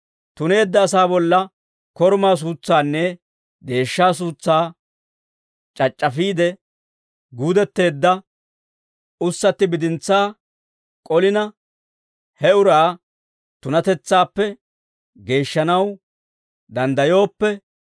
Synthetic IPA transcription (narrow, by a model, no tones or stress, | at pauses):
t̪ʊne̞ːd̪ːɐːsaːbɔlːɐ | kɔɾmaːs̬uːt͡sːaːnːɛ | d̪e̞ːʃːaːs̬uːt͡sːaː | t͡ʃʼɐt͡ʃʼːɐfiːd̪ɛ | ɡuːd̪ɛt̪ːe̞ːd̪ːɐ | ʊsːɐt̪ːɪbɪd̪ɪnt͡sːaː | kʼɔlɪnɐ | hɛʊɾaː | t̪ʊnɐt̪ɛt͡sːaːpːɛ | ɡe̞ːʃːɐnɐw | d̪ɐnd̪ɐjo̞ːpːɛ